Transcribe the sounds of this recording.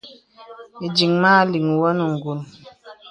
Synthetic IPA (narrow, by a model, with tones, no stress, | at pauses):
i˨d͡ʒi˨ŋmaː˦li˨ŋu˨wɔ˦nu˨ŋ˨ɡu˨n